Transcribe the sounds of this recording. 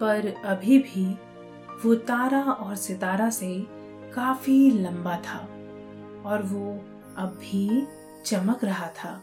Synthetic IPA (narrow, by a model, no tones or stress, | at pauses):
pɐɾɐbʱibʱi | ʋot̪aːɾaɔːɾsɪt̪aːɾase | kaːfilɐ̃mbat̪ʰaː | ɔːɾʋo | ɐbːi | t͡ʃɐməkɾɐɦat̪ʰaː